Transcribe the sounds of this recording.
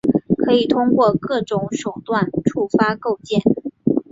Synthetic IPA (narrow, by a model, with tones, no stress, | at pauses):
kʰɤ˧˥i˨˩t̪ʰʊ˥ŋkwɔ˥˧kɤ˥˩ʈ͡ʂʊ˧˥ŋʂo˨˩ʊt̪wa˥˩nʈ͡ʂʰu˥˩fa˥ko˥˧ʊt͡ɕjɛ˥˩n